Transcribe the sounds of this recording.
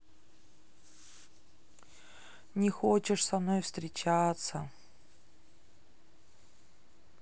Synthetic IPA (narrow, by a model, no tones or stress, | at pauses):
nʲɪxot͡ɕɪʂsɐmnojfst̪ɾʲɪt͡ɕat̪sə